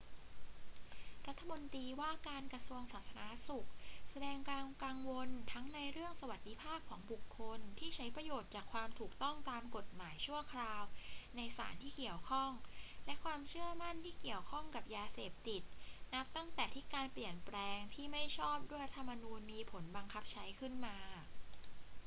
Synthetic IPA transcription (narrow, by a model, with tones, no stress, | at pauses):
ɾa˦˥t̪ʰːa˧mo˧nt̪iː˧waː˥˩kaː˧nkɾa˧su˧əŋsaː˨˩t̪̚sʰa˧na˦˥su˨˩k̚sa˧dɛː˧ŋkaː˧kaː˧ŋwo˧nt̪ʰa˦˥ŋna˧jɾɯ˥˩əŋsa˧wa˨˩t̪̚di˧˦pʰaː˥˩p̚kʰɔː˩˦ŋbu˨˩kʰːo˧nt̪ʰiː˥˩t͡ɕʰa˦˥jpɾa˧joː˨˩t̪̚t͡ɕaː˨˩kʰwaː˧mt̪ʰuː˨˩k̚t̪ɔ˥˩ŋt̪aː˧mko˨˩t̪̚maː˩˦jt͡ɕʰu˥˩əkʰɾaː˧wna˧jsa̰ː˩˦nt̪ʰiː˥˩ki˨˩əwkʰɔ˥˩ŋlɛ˦˥kʰwaː˧mt͡ɕʰɯ˥˩əma˥˩nt̪ʰiː˥˩ki˨˩əwkʰɔ˥˩ŋka˨˩p̚jaː˧seː˨˩p̚t̪i˨˩t̪̚na˦˥p̚t̪a˥˩ŋt̪ɛː˨˩t̪ʰi˦˥kaː˧npli˨˩ənpɾɛː˧ŋt̪ʰiː˥˩ma˥˩jt͡ɕʰɔː˥˩p̚du˥˩jɾa˦˥t̪ʰːa˧mːa˧nuː˧nmiː˧pʰo˩˦nba˧ŋkʰa˦˥p̚t͡ɕʰa˦˥jkʰɯ˥˩nmaː˧